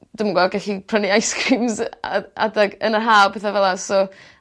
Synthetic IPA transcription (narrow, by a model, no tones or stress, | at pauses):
d̥ʊmɡɔɡɛɬipʰrəniajskɾiːmza̰a̰daɡənərɦaːlpʰɛθavɛlˠasɔ